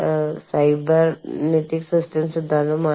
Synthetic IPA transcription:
sajbəɾneʈiksəsʈemsud̪ʱːaloma

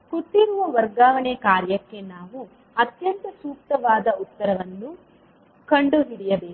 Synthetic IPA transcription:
kut̪ːiɾuʋɐʋɐɾɡaːʋɐɳekaːɾjɐkːe̞naːʋu | ɐt̪jɐnt̪ɐsuːk̚t̪ɐʋaːd̪ɐut̪ːɐɾɐʋɐnːu | kɐɳɖuɦiɽijɐbeː

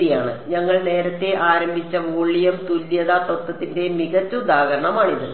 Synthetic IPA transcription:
ijaːɳɨɲɐŋːɐɭne̞ːɾɐt̪ːe̞ʔaːɾɐmbʱit͡ɕːɐʋoːɭːijɐmt̪ulːjɐðat̪ot̪ːɐt̪ːinde̞miɣɐt̪ːɨud̪aːɣɐɾɐɳɐmaːɳiðɨ

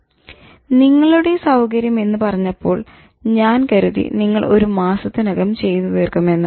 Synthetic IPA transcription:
niŋːɐɭuɽesɐwkɐɾjɐme̞nːɨpɐrɐɲːɐpːo̞ːɭ | ɲaːnkɐɾuðḭniŋːɐɭo̞̰ɾumaːsɐt̪ːinɐɣɐmt͡ɕe̞jt̪uʋeːrkɐme̞nːɨ

